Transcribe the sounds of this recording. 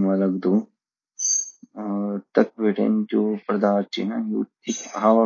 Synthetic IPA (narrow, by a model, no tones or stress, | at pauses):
mɐlɐɡd̪u | t̪ɐk̚ʋiʈḛnd͡ʒupɾɐd̪aːɾt͡ʃḭnɐjṵːt̪ːikaʋɐ